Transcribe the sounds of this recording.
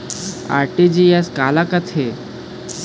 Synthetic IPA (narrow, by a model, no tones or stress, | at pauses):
a̰ɾʈed͡ʑiɛskalakət̪ʰe